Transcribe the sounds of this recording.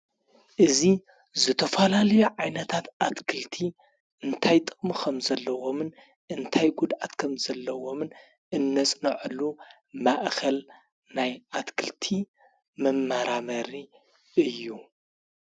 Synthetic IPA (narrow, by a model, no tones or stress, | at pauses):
ʔɨzi | zɨt̪ʰɐfɐlalɐjuʕajnɐt̪ʰat̪ʔat̪kʰɨlt̪ʰi | ʔɨnt̪ʰajt̪ʼɨχʼmikʰɐmzɐlːɐwo̞mɨn | ʔɨnt̪ʰajɡud̪ʔat̪kʰɐmzɐlːɐwo̞mɨn | ɨnːɐt͡sʼnɐʕɨlu | maʔkʰɐl | najʔat̪kʰɨlt̪ʰi | mɨmːaɾamɐɾi | ʔɨjːu